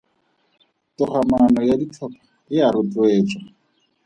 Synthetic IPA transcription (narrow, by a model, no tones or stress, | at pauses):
tʊχamanɔjadit͡ɬʰɔpʰḁ | ɪaɾʊt͡ɬweːt͡sʼwa